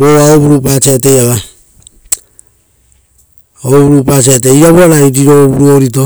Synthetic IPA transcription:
oβaoβuɾupat͡ʃeate̞jaβa | oβuɾupat͡ʃiateiɾaβuaɾaiɾiɾoβuɾuoɾit̬o

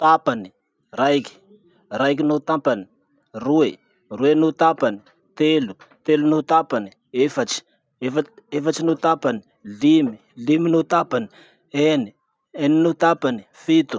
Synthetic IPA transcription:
t̪apani̥ | raikʲi̥ | raik̬ʲinut̪ampani̥ | rue | ruenut̪apani | t̪elu | t̪elunut̪apani | efat͡ʃi̥ | efaefat͡ʃinut̪apani̥ | limiliminut̪apani | eni | eninut̪apani̥fit̪u̥

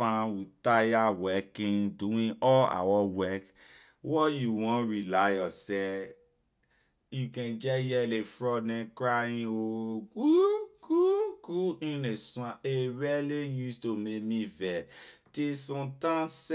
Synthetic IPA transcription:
fãwutajawɛkĩduĩɔla̰wɔwɛk | wɔjuwɔ̃ɾilajɔsɛ | ikɛ̃d͡ʒɛjɛlefɾɔnɛ̃kɾajĩoɡuɡ̥uɡuĩnesũãeɾɛlejustomemĩvɛtesɔ̃tãs

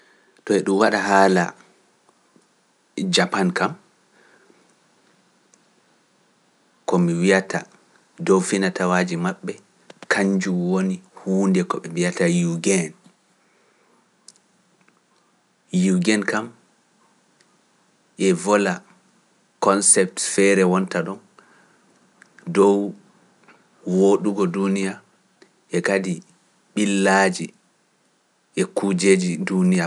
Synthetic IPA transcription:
tɔɛɗumwaɗaɦaːla̰ | d͡ʒapankam | kɔmiwiatʰa̰ | dowfinatawaːd͡ʒimaɓːɛ | kʰaɲd͡ʒumwonihuːndɛkɔɓɛvijatajuɡɛn | juɡɛnkam | ʔɛvɔla | kɔnsɛp̚tfɛɾɛwɔntaɗɔn | dɔw | woɗuɡɔdunija | ʔɛkadi | ɓilːad͡ʒi | ʔɛkud͡ʒed͡ʒidunija

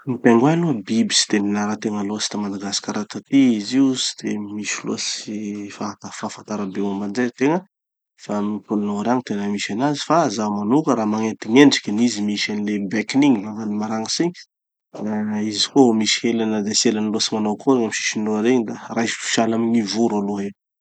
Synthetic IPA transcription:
nipeŋɡwanuəbibi̥si̥d̪̥eminaɾat̪eŋəlosi̥t̪amand̪aɡasi̥kʲaɾat̪at̪iiziusi̥d̪̥emiʃilo̰sifat̪afafant̪aɾabewambanzet̪eŋə | famipulunaaɾaŋit̪enamiʃanazi̥fazamanukəɾamaŋent̪iŋeɳɖ͡ʐi̥kʲanizimiʃanilebɛkiniŋivavanimaɾaŋəsiɲ | aizi̥koomisi̥helanəd̪eselanlosimanawkʰoɾeŋamiʃi̥ʃinoaɾeɲid̪arajsfi̥ʃalaminivuɾaloɦe

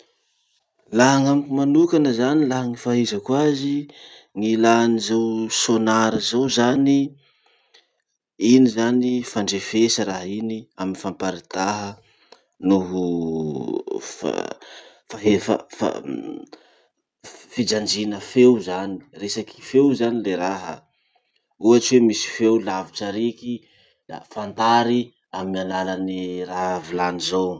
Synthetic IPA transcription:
laɦaŋamkimanukanəzanilaɦaŋifaɦizəkwazi | ŋilanizewsonaɾəzawzani | inizanifaɳɖ͡ʐefesəɾaɦiniaminifampaɾit̪aɦə | nuɦu | fa̰ | faɦefə̰fa̰ | fid͡ʒand͡ʒinəfewzani̥resakʰi̥fewzanileɾaɦə̰ | uaʈ͡ʂiwemisi̥fewlaviʈ͡ʂaɾiki | a̰fant̪aɾi | amimianalaniraɦvilanizow

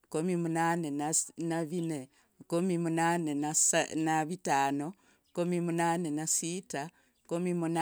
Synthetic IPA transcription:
komimunanenanaβine | komimunanenasnaβitano | komimunanenasita | komimuna

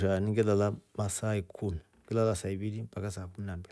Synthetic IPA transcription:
ʃaniŋɡɛlalamasaikʰumiŋɡɛlalasaiβiɾimpakas̬akuminambɛ

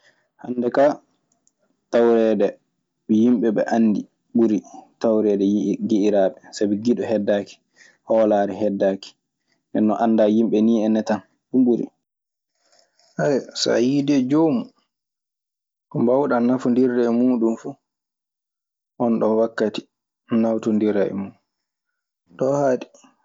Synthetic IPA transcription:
handɛka | tawɾɛdɛ | ɓɛjimɓɛɓɛ̰ʔanːdi | ɓuɾitawɾɛdɛɡiʔiɾaɓɛsabiɡiɗɔhɛdːaki̥ | hɔlaːɾɛɦɛdːaːki̥ | ndɛnːɔʔanːdajimɓɛniːɛnːɛtan | ɓuɓuɾḭ | hajsa̰jidɛd͡ʒoːmu | kɔmbawɗanafundiɾdɛmuːɗunfuː | ʔɔnɗɔnwakːati̥ | nawtundiɾaɛ̰mu | ɗɔhaːɗi̥

